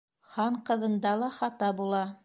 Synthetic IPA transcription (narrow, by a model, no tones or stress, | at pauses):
χɑɴqɤ̆ðɤ̆nd̪ɑlˠɑχɑt̪ɑbulˠɑ